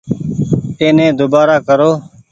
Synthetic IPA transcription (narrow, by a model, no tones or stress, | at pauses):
t̪eːnẽːd̪obaːɾaːkəɾoː